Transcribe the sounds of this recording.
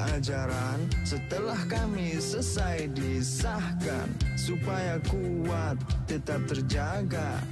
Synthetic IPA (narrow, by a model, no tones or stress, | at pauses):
ad͡ʒaɾansət̪əlahkamisəsajdisahka̰nsupajaku | wat̪̚ːət̪ap̚t̪ərd͡ʒaɡa